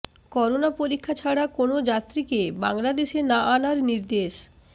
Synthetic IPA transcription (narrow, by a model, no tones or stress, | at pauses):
kɔɾonapoɾikʰːat͡ɕʰaɽakonod͡ʑat̪ːɾikebaŋlad̪eʃenaʔanaɾniɾd̪eʃ